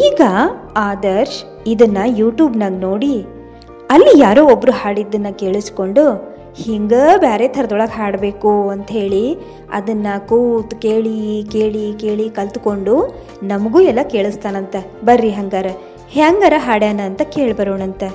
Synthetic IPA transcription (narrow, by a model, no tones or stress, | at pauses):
iːɡɐaːd̪ɐɾʃ | id̪ɐnːɐjuːʈjuːbnɐɡno̞ːɽi | ɐlːijaːɾoːobːɾuɦaːɽid̪ːɐnːɐke̞ːɭusko̞ɳɖu | hiŋɡɐbaːɾet̪ʰɐɾɐd̪ɔɭɐɡɦaːɽbe̞ːkuɐnt̪ɦe̞ːɭi | ɐ̰d̪ɐnːɐkuːt̪keːɭike̞ːɭike̞ːɭikɐlt̪uko̞ɳɖu | nɐmɐɡuːɛlːɐke̞ːɭist̪aːnɐnt̪ɐ | bɐɾːiɦɐŋɡaːɾɐ | haŋɡaːɾɐɦaːɽeanɐːnt̪ɐkeːɭbɐɾoːɳɐnt̪e